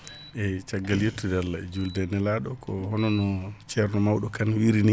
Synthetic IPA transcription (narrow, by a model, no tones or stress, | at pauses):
ʔɛt͡ʃaɡːaljetːudalaɛd͡ʒuldɛnɛlaɗɔkʰɔhɔnɔnɔt͡ʃɛɾnɔmawɗɔkanwiɾini